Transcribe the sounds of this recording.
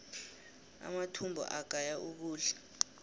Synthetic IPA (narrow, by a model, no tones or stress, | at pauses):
a̰matʰumbʱɔ̰ʔaɡ̥̬ʱajaʔuk̬uːɬɛ̥